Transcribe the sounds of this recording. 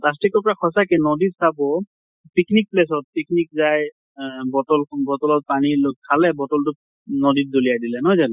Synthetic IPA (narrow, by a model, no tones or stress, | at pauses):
pas̬tikɔɹpɔɹakʰɔsakɛnɔditsabɔ | piknik̚ples̬ɔt̚piknik̚zaj | bɔtɔlbɔtɔlɔt̚panilokkʰːalɛbɔtɔltʊ | nɔdit̚dolijadilɛnɔjzanɛ